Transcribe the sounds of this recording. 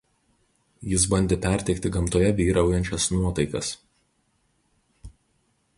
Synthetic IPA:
jɪs̬bɐnʲd̪ʲeːpʲɛɾʲt̪ʲɛɪk̚t̪ʲɪɡɐmt̪oːjɛʋʲiːɾɐˑʊjɛnʲt͡ʃʲɛsnuɔt̪ɐɪkɐ̰s

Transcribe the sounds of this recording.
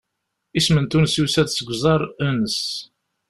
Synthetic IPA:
ismənt̪unsisæðsəɡʷzˤɑɾˤænəs

